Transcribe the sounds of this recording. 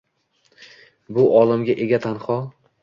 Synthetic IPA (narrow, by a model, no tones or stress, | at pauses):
bʊʔɒlˠɪmɡʲaʔeɡʲat̪ʰanχɒ